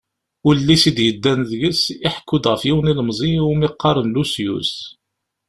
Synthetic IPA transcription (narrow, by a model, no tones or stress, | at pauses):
ʊɾlːisid̪jəd̪ːænðʝəsiħkːʊd̪ʁəfjiwniləmzˤiʊmiqːɑɾˤənlusjṵs